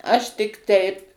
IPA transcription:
ˈɐʃ tʲɪk ˈtʲɛɪp

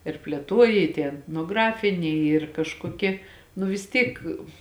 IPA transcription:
ɪr pʲlʲeːˈtuɔjɛ ɪ tʲiɛ ɛtnoːˈɡrɑːfʲɪnʲɛɪ ˈiːr kɐʃkoːˈkʲiɛ nʊ ʋʲɪs ˈtʲiːk

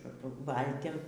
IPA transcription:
ˈʋɐlʲtʲɪm

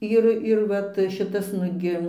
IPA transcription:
ˈɪr ɪr ˈʋɐt ˈʃʲɪtɐs ˈnʊɡʲɪ

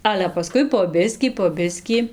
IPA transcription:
ˈɑːlʲɛ pɐˈskʊɪ poː ˈbʲɪsʲkʲiː poː ˈbʲɪsʲkʲiː

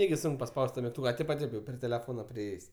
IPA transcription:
ˈnʲæːɡʲɪ ˈsʊŋk pɐˈspɐʊsʲtʲ tɐ mʲɪkˈtuːkɐ ɐ ˈtʲɛɪp ɐ ˈtʲɛɪp jɛʊ pʲrʲɪ tʲɛlʲɛˈfoːnɐ pʲrʲɪˈeːjeːsʲ

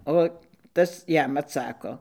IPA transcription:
ˈoː ˈtɐs ˈjɛm ɐtˈsɑːkoː

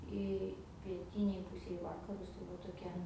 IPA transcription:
ˈɪ pʲiɛˈtʲiːnʲeːj ˈpuːsʲeːj ɪ ˈʋɑːkɐrʊs tɐɪ ˈʋɐ toːˈkʲɛ

